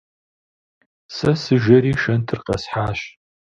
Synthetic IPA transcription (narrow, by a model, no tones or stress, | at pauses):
sɐsɨʒɐɾiːʃɐntʰɨrqɐ̰sħaːɕ